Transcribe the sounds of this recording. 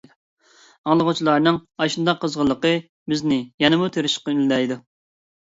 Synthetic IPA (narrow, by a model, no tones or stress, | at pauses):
ɑŋlˠəʁʊt͡ʃʰilˠɑɾnɨŋɑʃund̪ɑqʰːəzʁəlˠːəqə | bɪznɪjɛnɨmut̪ʰøɾɪʃqɑyllɛjd̪u